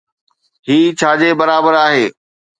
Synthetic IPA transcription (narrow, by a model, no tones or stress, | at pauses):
ɦiːt͡ɕʰaːd͡ʑeːbɐɾaːbəɾaːɦeː